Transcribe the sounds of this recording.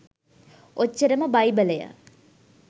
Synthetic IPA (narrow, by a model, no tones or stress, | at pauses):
ʔot͡ʃːəɾəməbɐjbələjə̰